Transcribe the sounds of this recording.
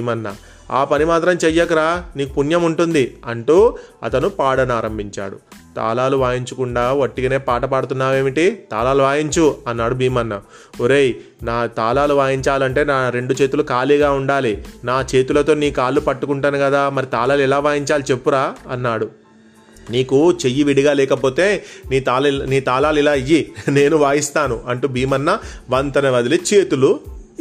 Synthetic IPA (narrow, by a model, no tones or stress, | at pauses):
imɐnːɐ | a̰ːpɐnimaːt̪ɾɐmt͡ʃɛjːɐkːuɾaːniːkupunjɐmuɳʈund̪iɐɳʈuːɐ̰t̪ɐnupaːɽɐnaːɾɐmbʱiɲt͡ʃa̰ːɽṵt̪a̰ːlaːluʋaːjiɲt͡ʃɐkuɳɖaːʋoʈːiɡɐne̞ːpaːʈɐpaːɽut̪̬unːaːʋe̞ːmiʈit̪a̰ːlaːluʋaːjiɲt͡ʃuɐnːaːɽubʱiːmɐnːɐ | oɾeːj | naːt̪aːlaːluʋaːjiɲt͡ʃaːlɐɳʈe̞ːnaːɾe̞ɳɖut͡ʃe̞ːt̪ulukaːliːɡaːuɳɖaːlinaːt͡ʃe̞ːt̪ulɐt̪o̞ːniːkaːlːupɐʈːukuɳʈanukɐd̪aːmɐɾit̪aːlaːluɛlaːʋaːjiɲt͡ʃaːlit͡ʃe̞pːuɾaːɐnːaːɽu | niːkut͡ʃe̞jːiʋiɽiɡaːlɛːkɐpo̞ːt̪e̞ːniːt̪aːlniːt̪aːlaːlilaːijine̞ːnuʋaːjist̪aːnuʔɐɳʈuːbʱiːmɐnːɐʋɐnt̪ɐnɐʋɐd̪ilit͡ʃe̞ːt̪ulu